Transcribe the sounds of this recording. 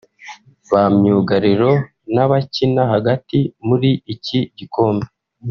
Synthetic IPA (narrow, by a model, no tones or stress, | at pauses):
βamɲuːɡaɾiɾo̞ | naβacinaɦaɡatimuɾiːciɟiko̞ːmbe